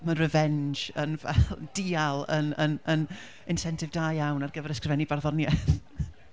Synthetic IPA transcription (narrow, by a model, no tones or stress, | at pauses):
mənrəvɛnd͡ʒənvɛ̰lˠd̥iːalˠə̰nənən | ɪnsɛntʰɪvdaːjjawnarɡəvɛɾəskrvɛnibarðɔnjɛθ